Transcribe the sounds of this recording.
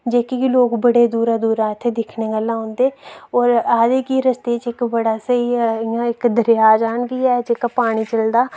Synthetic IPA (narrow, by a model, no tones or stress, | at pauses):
d͡ʒeːkikloːkbəɽeːd̪uːɾaːd̪uːɾaːɪt̪ʰːeːd̪ɪkʰneːɡəlːãːɦʊ̃nd̪eːɔːɾaːd̪eːkiɾəst̪eːt͡ʃɪkbəɽaːsəiːɪãːɪkd̪əɾjaːd͡ʒaːɳɡiːɛːd͡ʒeːkaːpaːɽ̃iːt͡ʃəld̪aː